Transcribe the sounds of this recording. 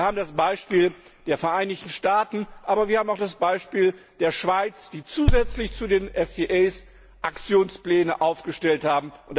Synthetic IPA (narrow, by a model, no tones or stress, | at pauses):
ɐhaːbm̩dasb̥aɪʃpiːld̥eːɐfɛɐʔaɪnɪçtn̩ʃtaːtn̩ʔaːbɐviːɐhaːm̩aʊxd̥asb̥aɪʃpiːl | d̥eːɐʃv̥aɪt͡sd̥iːt͡suːzɛt͡slɪçt͡sudeːnʔɛfdiʔɛɪs | ʔakt͡sjoːnsplɛːnəʔaʊfɡ̥əʃtɛlthaːbm̩ʔʊnt